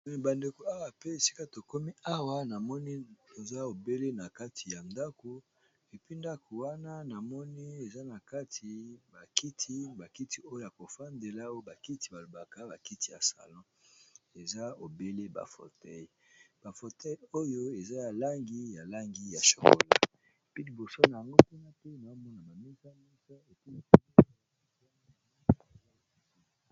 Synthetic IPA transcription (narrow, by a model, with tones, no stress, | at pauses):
mɛ˨ba˨nde˨ko˨a˦wa˨pe˦e˨si̥˦ka˦to˨ko˦mi˦a˦wa˦na˨mɔ˦ni˦to˨za˦o˨be˦le˦na˨ka˦tʰi˨ja˨nda˦ko˦ | e˨pi˦nda˦ko˨wa˦na˦na˨mɔ˦ni˦e˨za˦na˨ka˦tʰi˨ba˨ki˦tʰi˦ba˨ki˦ti˦o˦jo˦ja˨ko˨fa˦nde˨la˦o˦jo˦ba˨ki˦ti˨ba˨lo˨ba˨ka˦ba˨ki˦ti˦ja̰˨sa̰˨lɔ̃˦ | e˨za˦o˨be˦le˦ba̰˨fo̰˨tɛ˦j | b̥a˨fo˨tɛ˦jo˦jo˦e˨za˦ja˨la˦ŋɡi˦ja˨la˦ŋɡi˦ja˨ʃo̰˨ko̰˨la̰˨ | pi˦ki˨bo˨so˦na˨ja˨ŋɡo˦pu˦na˦pe˦na˨˦mɔ˦na˨ba˨mi˦za˦mi˦sa˦e˨pe˦mi˦pu˦n˦˨a˦˨˦a˦˨